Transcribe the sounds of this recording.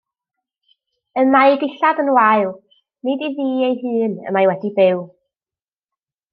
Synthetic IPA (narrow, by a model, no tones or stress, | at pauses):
ənaɨɡɪɬadənwaɨlˠ | nidiðiːejɦɨːnə̰majwɛdibɪw